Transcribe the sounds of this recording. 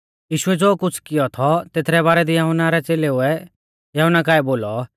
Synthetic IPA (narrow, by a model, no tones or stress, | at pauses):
jiːʃʊɛd͡zoːkʊt͡sʰkɪjɔt̪ʰɔt̪eːt̪ʰɾɛbaːɾɛd̪ijɐɦʊnaɾɛt͡seːleʊɛ | jɐɦʊnːakaːɛboːlɔ